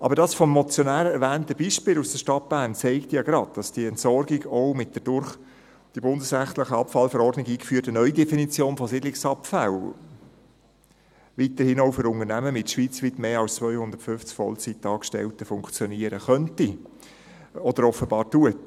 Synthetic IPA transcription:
ʔɑ̰bəɾdɑːsfɔmːɔt͡sjɔnæːɾəɛɾʋæːntəbiːʃpɪːlusd̥əʃtɑt̚b̥æːnt͡sɛɪktjɑɡɾɑd̚d̥ɑsd̥iəɛntsɔrɡɪɡɔʊmɪt̚d̥əd̥ʊɾχ | d̥ibʊndəsɾæχt̪ləχəɑpfɑlfɛɾɔrdnɪɡiːkfyːtənœʏdɛfinit͡sjoːnfɔsɪdlɪksɑpfæl | ʋit̪əɾhɪnoʊfʏɾʊŋəɾnæməmɪtʃʋiːt͡sʋɪtmeːɑlst͡sʋœʏhʊnd̪əɾtfʏft͡skfɔ̰lt͡sitɑːkʃtɛ̰ltəfʊŋkt͡sjɔniəɾəχœnti | ɔd̥əɾɔfəbɑːɾtuət

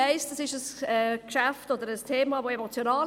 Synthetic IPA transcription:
eɪsd̥əsɪʃəsəːkʃaftɔdəɾəstʰeːmavoːemot͡sjonaː

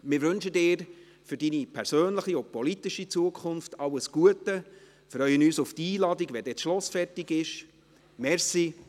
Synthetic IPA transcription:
mɪːɾʋɵnʃədɪːɾ | fʏɾd̥inipʰɛɾsøːnləχiʊpɔlit̪iʃit͡suəkʰʊnftɑwəsɡ̥uətə | fɾrœʏənyːsʊftiːlɑdiɡʋɛdɛːt͡sʃlɔsfɛrtɪɡɪʃ | mɛɾsi

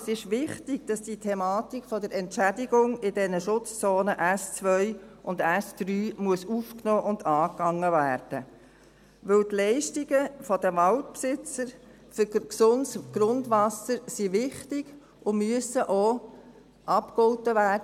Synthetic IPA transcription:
sɪʃʋɪχtɪɡ̥d̥ɑsd̥itʰɛmɑːtikfɔdəɾɛntʃædɪɡʊŋɪdɛnəʃʊt͡st͡soːnəʔæst͡sʋœʏʔʊndæsd̪̥ɾyːmuəsufknoːʔʊndɑːkːɑŋːəvæːrd̥ə | ʋɵwtlɛɪʃtiɡəfɔdəʋɑltpsɪt͡səɾ | fʏksʊndsɡ̥ɾʊnd̪ʋɑsəɾsiʋɪχtɪɡ̥ | ʔʊmyəsəʔo | ʔɑpkɔʊtəʋæːd

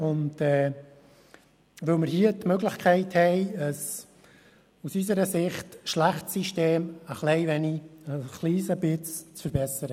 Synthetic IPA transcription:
ʊndɛː | ʋɵlməɾhiətmøɡlɪχkʰɛɪthɛɪəs | usys̬əɾəsɪχtʃlæχtsiʃteːməχlɛɪʋɛniəχliːsəbɪt͡st͡sfəɾbɛsəɾə

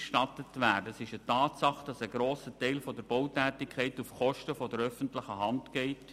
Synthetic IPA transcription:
ʃtɑtətvæːdəsɪʃətɑːtsɑχd̥ɑsəɡɾoːsətɛɪlfɔdəɾb̥owtæːtɪkʰɛɪtufχɔʃtəfɔdəɾœfəntlɪχəɦɑntɡɛɪt

